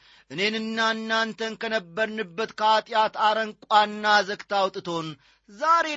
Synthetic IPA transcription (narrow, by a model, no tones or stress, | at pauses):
ʔɨne̞nɨnːaɨnːant̪ʰənkʰənəbːəɾnɨbːət̪kʰəat̪ʼjat̪aɾəŋkʷʼanːazəkt̪ʰawt̪ʼɨt̪ʰo̞n | zaɾe̞